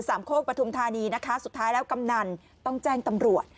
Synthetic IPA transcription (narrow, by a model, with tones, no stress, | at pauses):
saː˩˦mkʰoː˥˩k̚pɾa˧t̪ʰu˧mt̪ʰaː˧niː˧na˦˥kʰa˦˥su˨˩t̪ʰːaː˦˥jlɛː˦˥wka˧mna˧n | t̪ɔ˥˩ŋt͡ɕɛː˥˩ŋt̪a˧mɾu˨˩ət̪̚